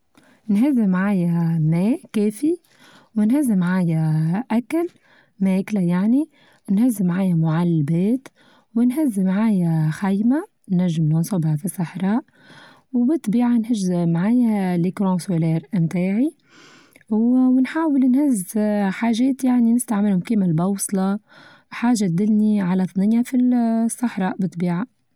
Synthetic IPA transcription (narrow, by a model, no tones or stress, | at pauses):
nɦazːɪmʕaːjameːkeːfi | wɪnhazːmʕaːjaʔakal | meːklajaʕni | nhazːmʕaːjamʊʕalːabeːt̪ | wɪnɦazːmʕaːjaxajma | naʒːɪmlunsˤɑbɪʕfisˤːɑħɾˤɑːʔ | wbɪt̪ˤbiːʕanhɪʒmaʕaːjalikɾõːsoleːɾmt̪aːʕi | wwɪnħaːwɪlnhɪzħaːʒeːt̪jaʕninɪst̪aʕmɪlhʊmkiːmalbɑwsˤlɑ | ħaːʒːat̪̚d̪ɪlniʕalat̪ˤnɪjafisˤːɑħɾˤɑːʔbɪt̪ˤbiːʕa